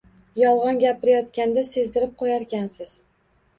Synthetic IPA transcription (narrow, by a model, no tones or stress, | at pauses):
jɒlˠʁɒnɡʲapɪɾajɒt̪kʲand̪ase̞zd̪ɪɾɪp̚qʰojaɾkʲansɪz̥